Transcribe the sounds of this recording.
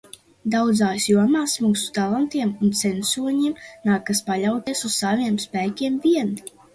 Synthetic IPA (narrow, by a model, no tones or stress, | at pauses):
d̪awd̪zaːsjuɔmaːsmuːsu̥t̪alˠant̪iɛmunt̪sɛnsuɔɲimnaːkaspaʎawt̪iɛsusːaviɛmspæːkʲiɛmviɛn